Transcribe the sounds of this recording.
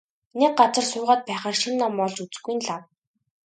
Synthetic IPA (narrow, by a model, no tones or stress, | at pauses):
nek̚ɢat͡sə̆rsʊːʁaːt̪̚pæːχaːrʃinːɔmːɔɮt͡ɕut͡sɘ̆ɡuj̆nɮaw